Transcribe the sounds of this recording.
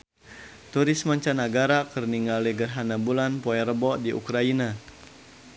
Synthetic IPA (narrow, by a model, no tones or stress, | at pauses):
t̪uɾismaɲt͡ʃanaɡaɾakərniŋaliɡərɦanabulanpɔɛɾəbɔʔdiʔṵkɾaina